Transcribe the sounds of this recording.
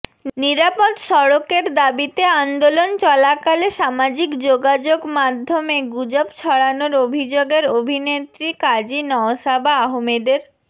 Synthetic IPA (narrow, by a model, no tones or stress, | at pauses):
niɾapod̪ʃɔɽokeɾd̪abit̪eand̪olont͡ɕɔlakaleʃamad͡ʑikd͡ʑoɡad͡ʑoɡmad̪ʱːomeɡud͡ʑobt͡ɕʰɔɽanoɾobʱid͡ʑoɡeɾobʱinet̪ɾikad͡ʑinɔoʃabʱaaɦomed̪eɾ